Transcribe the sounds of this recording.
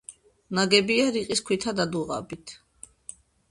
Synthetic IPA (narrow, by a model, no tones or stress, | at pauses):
naɡɛbiaɾiqʼiskʰwit̪ʰad̪ad̪uʁa̰bit̪ʰ